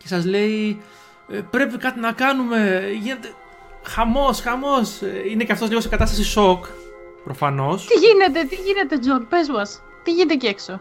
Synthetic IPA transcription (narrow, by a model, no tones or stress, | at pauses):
ce̞sɐzle̞i | pɾe̞pikɐt̪inɐkɐnume̞ʝine̞t̪e̞ | xɐmo̞sxɐmo̞seine̞ceɐft̪ozliɣo̞sikɐt̪ɐst̪ɐsiso̞k | pɾo̞fɐno̞st̪iʝine̞t̪e̞t̪iʝine̞t̪e̞d͡ʒonpezmɐs | t̪iʝinet̪ecekso